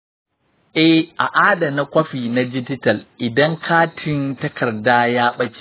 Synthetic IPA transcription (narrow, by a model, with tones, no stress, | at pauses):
ʔɛ˦hʔa˨ʔaː˦da˨na˦kʷɐ˦ɸiː˨na˦d͡ʒɪ˦d͡ʒɪ˦tɐ˨lʔɪ˨dɐ˦ŋkʰaː˦tʰɪ˨˦ntɐ˦kʰɐ˨rdaː˦jaː˦ɓɐ˦t͡ʃʲi̥˦